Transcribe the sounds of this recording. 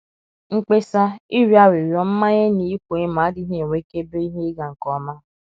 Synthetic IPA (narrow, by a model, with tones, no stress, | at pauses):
ŋ̩˦k͡pe˦sa˦i˦ɾi˨˦a˦ɾi˨ɾjɔ˨m̩˦ma˦ɲe˦ni˨i˦kʷo˨e˦ma˨˦dɪ˦ɦe˦˨wʷe˦ke˦be˦i˦ɦe˦ɡa˨ŋ̩˨kɔ˨˦ma˦